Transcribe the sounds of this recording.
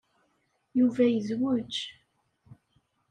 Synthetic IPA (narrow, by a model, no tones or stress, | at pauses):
juvæjəzwʊt͡ʃː